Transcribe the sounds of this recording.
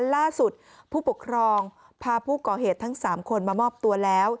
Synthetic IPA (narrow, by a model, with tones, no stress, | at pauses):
laː˥˩su˨˩t̪̚ | pʰuː˥˩pu˨˩kʰɾɔː˧ŋ | pʰaː˧pʰuː˥˩kɔː˨˩ɦeː˨˩t̪ʰːa˦˥ŋsaː˩˦mkʰo˧nmaː˧mɔː˥˩p̚t̪u˧ɐlɛː˦˥w